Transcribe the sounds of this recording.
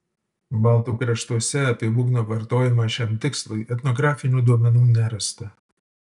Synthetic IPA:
bɐlˠt̪uːkɾʲɛʃt̪uɔsʲɛɐt̪ɐɪbʊɡnoːʋɐɾt̪oːjɪmɑʃʲɛmt̪ʲɪkslˠɐɪʔɛt̪nɔɡɾɑːfʲɪnʲuːd̪uɔmʲɛnuːnʲɛɾɐst̪ɐ

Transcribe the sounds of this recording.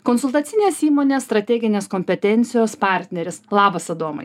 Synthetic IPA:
konsʊlˠt̪ɐt̪sʲɪnʲeːsiːmoːnʲeːst̪ɾɐt̪ʲɛːɡʲɪnʲeːskoːmʲpʲɛt̪ʲɛnʲt̪sʲɪjoːspɑːˑɾʲt̪ʲnʲɛɾʲɪslˠɑːbɐsɐd̪oːmɐ̰ɪ

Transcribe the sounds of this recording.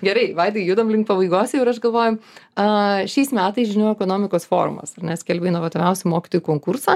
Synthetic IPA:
ɡʲɛɾɐɪʋɐɪd̪ʲɡʲɪjuːd̪ɐmlʲɪŋk̚pɐbɐɪɡoːsʲʊɪɾɐʃɡɐlˠʋoːjʊɐʃʲɛɪsmʲæːt̪ɐɪsʒʲɪnojʊɛkoːnoːmʲɪkoːsfo̰ːɾʊ̰mɐ̰sɐrnʲɛsʲkʲɛlʲbʲɛɪnoʋɐt̪oʋʲɛʊsʲʊmoːkʲɪ̥t̪oːjukoːŋkʊɾsɑː

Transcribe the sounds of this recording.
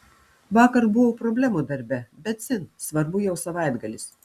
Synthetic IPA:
ʋɑːkɐɾbʊʋopɾoːbʲlʲæmud̪ɐɾʲbʲɛbʲɛt̪sʲɪnsʋɐɾbʊjɛʊsɐʋɑˑɪd̪ɡɐlʲɪs

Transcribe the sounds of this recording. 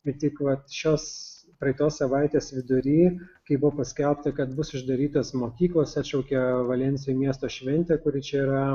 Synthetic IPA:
ɪt̪ʲɪkʋɐt̪ʃʲoːs | pɾɐɪt̪oːssɐʋɐɪt̪ʲeːsʋʲɪd̪ʊɾʲiːkɐɪbʊʋopɐsʲkʲɛlˠp̚t̪ɐkɐt̪̚bʊsʊʒd̪ɐɾʲiːt̪oːsmoːkʲiːklˠoːsɛːt̪ʲt͡ʃʲɛʊkʲɛʋɐlʲɛnʲsʲɪjʊmʲiɛst̪oːʃʲʋʲɛnʲt̪ʲɛːkʊɾʲɪt͡ʃʲɛiːɾɐ

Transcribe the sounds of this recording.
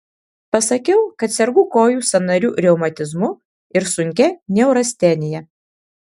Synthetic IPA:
pɐsɐkʲɛʊkɐt̪sʲɛɾɡʊkoːjuːsɐnɐɾʲuːɾʲɛʊmɐt̪ʲɪzmʊ | ɪɾsʊŋʲkʲɛnʲɛʊɾɐsʲt̪ʲɛnʲɪjɛ

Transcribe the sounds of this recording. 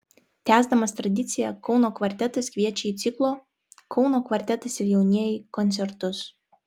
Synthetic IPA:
t̪ʲæːzd̪ɐmɐst̪ɾɐd̪ʲɪt̪sʲɪjɛkɒʊnoːkʋɐɾʲt̪ʲɛt̪ɐskʋʲiɛt͡ʃʲɛiːt̪sʲɪklˠoː | kʰɒʊnoːkʋɐɾʲt̪ʲɛt̪ɐsɪɾjɛʊnʲiɛjɪkɔnʲsʲɛɾt̪ʊs

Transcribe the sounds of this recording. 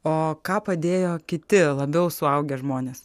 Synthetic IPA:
oːkɑːpɐd̪ʲeːjoːkʲɪt̪ʲɪlˠɐbʲɛʊsʊɐʊɡʲeːʒmoːnʲeːs

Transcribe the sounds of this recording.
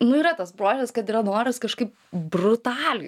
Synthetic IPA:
nʊiːɾɐt̪ɐsbɾoːʒʲɛskɐt̪iːɾɐnoːɾʲɪskɐʃkɐɪp̚ | brʊt̪ɑːlʲɪ

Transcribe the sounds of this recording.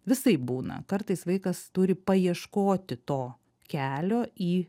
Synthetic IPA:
ʋʲɪsɐɪp̚buːnɐ̰kɐɾt̪ɐɪsʋɐɪkɐst̪ʊɾʲɪpɐiɛʃkoːt̪ʲɪt̪oː | kʲæːlʲoːʔiː

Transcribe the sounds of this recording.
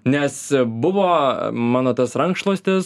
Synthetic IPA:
nʲɛsbʊʋoːmɑːnoːt̪ɐsɾɐŋkʃtlˠoːsʲt̪ʲɪs

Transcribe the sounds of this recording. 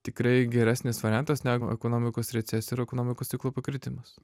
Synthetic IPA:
t̪ʲɪkɾɐɪɡʲɛɾʲæsʲnʲɪsʋɐɾʲænt̪ɐsnʲæːɡʊʔɛ̰koːnoːmʲɪkoːsɾʲɛt̪sʲɛsɪɾɛkoːnoːmʲɪkoːsʲɪklˠoːpɐkɾʲɪt̪ʲɪmɐs

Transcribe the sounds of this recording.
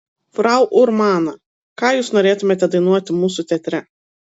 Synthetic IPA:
fɾɑˑʊʔʊɾmɑːnɐ | kɑːjuːsnoːɾʲeːt̪ʊmʲeːt̪ʲɛd̪ɐɪnuɔt̪ʲɪmuːsʊt̪ʲɛt̪ʲɾʲɛ

